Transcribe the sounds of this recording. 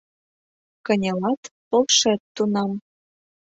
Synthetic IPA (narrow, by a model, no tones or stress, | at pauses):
kɤ̆nʲelɑt̪polʃet̪ːunɑm